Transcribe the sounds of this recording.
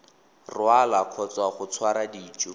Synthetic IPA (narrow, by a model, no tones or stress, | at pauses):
rwalakʰɔt͡swaχʊt͡sʰwaɾadiːt͡ʃʼʊ